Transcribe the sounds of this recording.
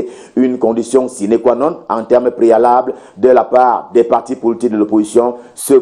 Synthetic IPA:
ynkɔ̃d̪isjɔ̃sinekwanɑ̃t̪ɑ̃t̪ɛʁmpʁealabld̪əlapaːʁd̪ɛpaʁt̪ipolit̪ik̚d̪əlopozisjɔ̃ | sə

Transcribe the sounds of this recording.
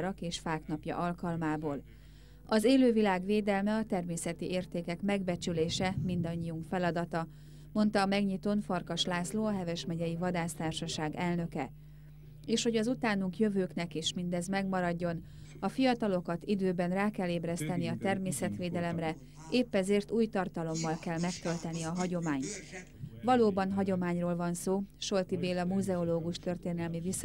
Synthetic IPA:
ɾɒkeːʃfaːknɒpjɒ̰ʔɒlkɒlmaːboːl | ɒzeːløːvilaːɡʋeːd̪ɛlmɛɒt̪ɛrmeːsɛt̪iʔeːrt̪eːkɛkmɛɡbɛt͡ʃyleːʃɛmind̪ɒɲːiuŋkfɛlɒd̪ɒt̪ɒ | mo̞nt̪ɒːmɛɡɲit̪onfɒrkɒʃlaːsloːɒɦɛvɛʃmɛɟɛjivɒd̪aːst̪aːrʃɒʃaːɡɛlnø̞kɛ | eːʃho̞ɟɒzut̪aːnuŋkjøvøːknɛkeːʃmind̪ɛzmɛɡmɒɾɒɟːo̞n | ɒfijɒt̪ɒlo̞kɒt̪id̪øːbɛnraːkɛlːeːbrɛst̪ɛniɒt̪ɛrmeːsɛt̪ʋeːd̪ɛlɛmrɛ | ʔeːpːɛzeːrt̪uːjt̪ɒrt̪ɒlo̞mːɒlkɛlmɛkt̪ølt̪ɛniɒɦɒɟo̞maːɲt̪ | vɒloːbɒnɦɒɟo̞maːɲroːlvɒnsoːʃo̞lt̪ibeːlɒmuzɛoloːɡuʃt̪ø̞rt̪eːnɛlmivis

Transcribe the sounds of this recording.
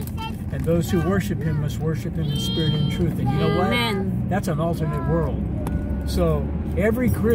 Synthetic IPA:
ɨ̃nðoʊz̥huwɜ˞ʃɨphɨ̃mːʌst̚wɜ˞ʃɨp̚hɨ̃mɨ̃nspɪɹɨɾɨ̃ntʰɹ̥ʉθɨ̃njɨnoʊwaðætsə̃nɔlˠtə˞nɨt̚wɜ˞lˠd̥̚ | soʊ | ɛvɹikʰɹ̥ɪ

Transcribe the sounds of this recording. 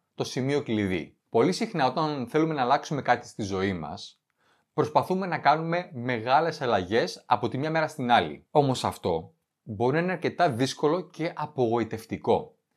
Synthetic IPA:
t̪o̞simio̞kliðḭ | po̞lisixnɐo̞t̪ɐnθe̞lume̞nɐːlɐksume̞kɐt̪i̥st̪izo̞imɐ̰s | pɾo̞spɐθume̞nɐkɐnume̞me̞ɣɐle̞sɐlɐʝe̞sɐpo̞t̪imɲɐme̞ɾɐst̪inɐlḭo̞mo̞sɐft̪o̞ | bo̞ɾinɐineɐɾce̞t̪ɐðisko̞lo̞ce̞ʔɐpo̞ɣo̞it̪e̞ft̪iko̞

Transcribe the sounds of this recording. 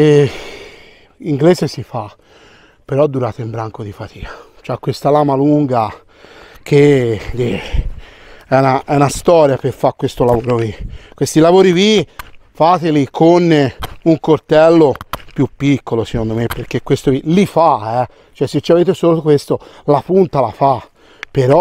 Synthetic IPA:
e | iŋɡleːzesifa | peɾɔd̪ːuɾaːt̪oimbɾaŋkod̪ifat̪ʰiːkʰḁ | t͡ʃoɛkːwest̪alaːmaluŋɡa | k̟ʰeʎi | ɛunaʔɛunast̪ɔːɾjaperfakːwest̪olavoːɾovikwest̪ilavoːɾivifat̪elikʰonuŋkort̪ɛlːopjupːikːolosekond̪omepːerk̟ekːwest̪ovilifaɛ | t͡ʃoɛsːet͡ʃːiaveːt̪̬esoːlokwest̪o | lapunt̪alafa | peɾɔ

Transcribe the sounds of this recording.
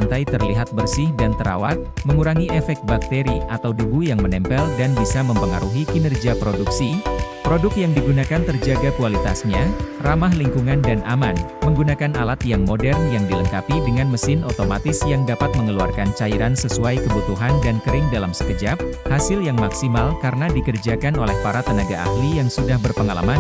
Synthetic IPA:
nt̪ajt̪ərliɦat̪̚bərsɪhdant̪əɾa̰wat̪̚məŋuɾaŋiʔɛfɛk̚t̪̚bak̚t̪eɾiat̪awdubujaŋmənɛmpɛldanbisaməmpəŋaɾuɦikinɛrd͡ʒiapɾoduksi | pɾodʊk̚t̪jaŋdiɡunakant̪ərd͡ʒaɡakualit̪asɲaramahliŋkuŋandanʔaman | məŋɡunakanalat̪jaŋmodɛrnjaŋdiləŋkapidəŋanməsɪnot̪oma̰t̪ɪsjaŋdapat̪̚məŋəlua̰rkant͡ʃaiɾansəsuajkəbut̪uɦandankəɾɪŋdalamsə̥kəd͡ʒap̚ | hasɪljaŋmaksimalkaɾənadikərd͡ʒakanolɛhpaɾat̪ənaɡaa̰hlijaŋsudahbərpəŋala̰man

